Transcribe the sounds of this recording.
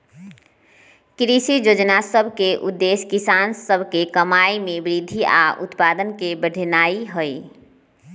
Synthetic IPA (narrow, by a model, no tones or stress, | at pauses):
kɾisid͡ʒod͡ʒnasəbʱkeʔud̪ːeskisansəbʱkekəmajmebɾid̪ʱia̰ṵt̪pad̪ənkebəɖ̤ʱnaiɦəj